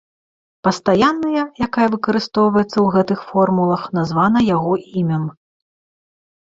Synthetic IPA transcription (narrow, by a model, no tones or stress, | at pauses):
pɐst̪ajanːɐjɐjakajɐvɨkɐɾɨst̪ɔwvɐjɛt̪sːɐwɣɛt̪ɨxfɔrmulˠɐxn̪azvan̪ɐjaɣɔʔimʲɐm